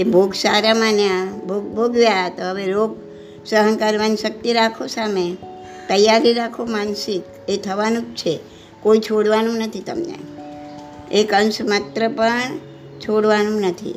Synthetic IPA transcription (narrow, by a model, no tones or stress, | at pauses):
ebʱoɡsaɾamanjabʱoɡbʱoɡʋjaət̪oɦəʋeɾoɡ̚ | səɦəŋkəɾʋanʃək̚t̪iɾakʰosame | t̪əjaɾiɾakʰomansik | et̪ʰəʋanũkt͡ʃʰe | koit͡ʃʰoɽʋanũnət̪ʰit̪ə̰mnḛ | ekənsmat̪ɾəpəɳ | t͡ʃʰoɽʋanũnət̪ʰḭ